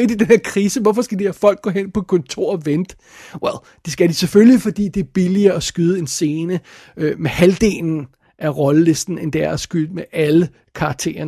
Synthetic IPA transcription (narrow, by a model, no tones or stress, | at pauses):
eɐd̥id̥enheɐkʰʁiːsəʋɒfɒsɡ̥æd̥iæfɒ̽l̰ɡ̥̚ɔ̰̽ːɦen̰pʰɒ̽kʰɒ̽nt͡sʰo̝ɐ̰ɒʋend̥ | welˠ | d̥esɡ̥æd̥iseføllifɒ̽d̥ḭːd̥e̝æɐb̥iliɐːɒsɡ̥yð̞ˠe̝nse̝ːnə | ømehæld̥e̝̰ːln̩ | ʔæʁɒ̽ləle̝sd̥n̩end̥eæɐɐsɡ̥yl̰d̥meʔælə | kʰɑ̈ɡ̥̚t͡sʰe̝̰ːɐn